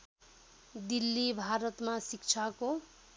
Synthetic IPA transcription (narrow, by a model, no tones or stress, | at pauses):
d̪ilːibʱaɾʌt̪masikt͡sʰako